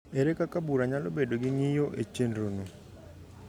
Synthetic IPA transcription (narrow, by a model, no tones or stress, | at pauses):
eɾekakabuɾaɲalobedoɡiɲijɔʔet͡ʃendono